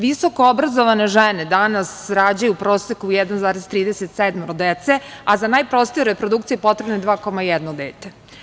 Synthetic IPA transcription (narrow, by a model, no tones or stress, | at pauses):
ʋiso̞koobɾazoʋane̞ʒened̪anasɾaːd͡ʑajupɾo̞ːsekujɛd̪anzaːɾez̥t̪ɾiːd̪eset̪sɛd̪mɾod̪et̪se̞azanaːjpɾost̪ioɾepɾod̪ukt̪sijepo̞t̪ɾe̞bnod̪ʋaːko̞majɛd̪nod̪eːt̪e